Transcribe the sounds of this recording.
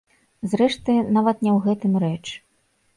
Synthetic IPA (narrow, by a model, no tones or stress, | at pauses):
zrɛʂt̪ɨnavɐt̪nʲɛwɣɛt̪ɨmɾɛt͡ʂ